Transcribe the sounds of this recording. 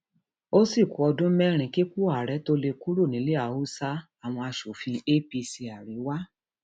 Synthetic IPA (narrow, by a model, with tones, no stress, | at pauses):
o˦si˦˨ku˨˦ɔ˧dũ˦mɛ˦ɾ̃ĩ˧˦ki˦ku˦a˨ɾɛ˨˦to˦le˧ku˦ɾu˦˨nĩ˨˦le˦a˨u˦sa˦a˦˨w̃ɔ̃˧a˧ʃo˨fĩ˧e˦pi˧si˧a˨ɾi˨˦wa˦